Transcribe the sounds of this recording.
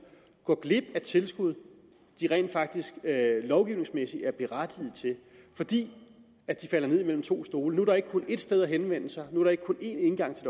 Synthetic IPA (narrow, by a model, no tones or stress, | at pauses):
ɡ̥ɒɡ̥le̝b̥æt͡sʰe̝lsɡ̥uð̞ˠ | d̥iʁɛ̰ɪ̰nd̥fɑ̈ɡ̥̚d̥isɡ̥lɒʊɡ̥iʊne̝ŋsmesiæɐb̥e̝ʁad̥ið̩ˠt͡sʰe̝ | fɒ̽d̥ḭː | æd̥ifæl̰ɐneðˠimel̰m̩t͡sʰo̝̰ːsd̥o̝ːlənuæɐɾ̥ɑ̈e̝ɡ̥əkʰo̽ne̝d̥sd̥eð̞ˠæɦenʋen̰əsɑ̈ɪnuæɐɾ̥ɑ̈eɡ̥kʰo̽ne̝ne̝nɡ̥ɑ̈ŋ̰t͡sʰe̝l̥